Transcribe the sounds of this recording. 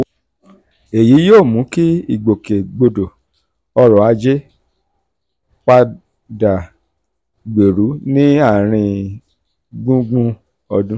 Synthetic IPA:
e˨ji˨˦joː˦˨mũ˨˦ki˦i˦˨ɡ͡bo˨ke˨ɡ͡bo˧do˨ | ɔ˧ɾɔ˨a˨˦d͡ʒe˦ | k͡pa˧ | da˨ | ɡ͡be˨ɾu˨˦nĩ˦a˦˨ɾ̃ĩ˧ | ɡ͡bũ˦ɡ͡bũ˦ | ɔ˧dũ˦

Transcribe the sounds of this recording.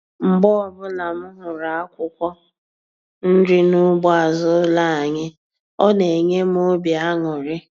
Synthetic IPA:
m̩˨ɡ͡bɔ˦ɔ˦˨bʊ˦la˨m̩˦ɦʊ˨ɾa˨a˦kʷʊ˦kʷɔ˦ | n̩˦dɪ˦nʊ˦ɡ͡bɔ˦a˨zʊ˦la˦˨a˨ɲe˦ | ɔ˦ne˨ɲe˦m˦o˦bja˦ŋʊ˨ɾɪ˦

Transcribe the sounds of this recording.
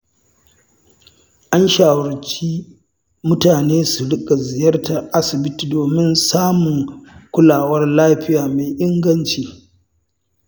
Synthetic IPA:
ʔa˦nʃaː˨wɐ˨t͡ʃiː˦ | mʊ˦taː˨neː˦su˨ɽɪ˦kʼa˨zɪ˨jɐ˦rta˨ʔa˦sɪ˨bɪ˦ti˨doː˨mɪ˦nsaː˦mʊ˨ŋkʷʊ˦laː˨wɐ˦rlaː˦ɸɪ˦jaː˨meː˨ʔɪ˦ŋɡɐ˦nt͡ʃiː˨

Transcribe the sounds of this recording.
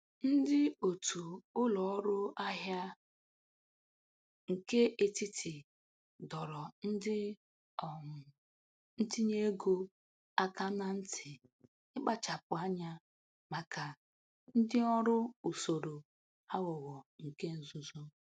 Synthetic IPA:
n̩˦dɪ˦o˨tu˨ʊ˦lɔ˨ɔ˦ɾʊ˦a˦ɦja˦ | ŋ̩˨ke˦ʔe˨ti˦tɪ˨ | dɔ˨ɾɔ˨n̩˦dɪ˦˨ | n̩˦ti˦ɲe˦ɡo˦ | a˦ka˦na˦n̩˦tʰɪ˨ | ɪ˦k͡pa˦t͡ʃa˨pʊ˨a˦ɲa˦ | ma˨ka˨ | n̩˦dɪ˦ɔ˦ɾʊ˦u˨so˨ɾo˨ | ha˦wɔ˨ɣɔ˨ŋ̩˨ke˦n̩˨zʊ˦zo˦

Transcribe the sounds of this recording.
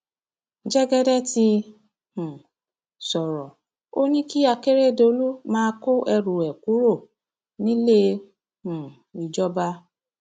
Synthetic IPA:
d͡ʒɛ˦ɡɛ˦dɛ˦ti˧ | hũ˨ | sɔ˨ɾɔ˨ | o˦nĩ˦ki˦a˧ke˦ɾe˦˨do˧lu˦mãː˦˧˦ko˦ʔɛ˧ɾu˨ɛ˨ku˨˦ɾo˦˨ | nĩ˦le˦ | hũ˨ | i˨d͡ʒɔ˦ba˧

